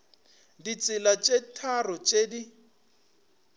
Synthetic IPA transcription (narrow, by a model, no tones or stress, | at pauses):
dit͡sʼɪlat͡ʃʼetʰarʊt͡ʃʼedi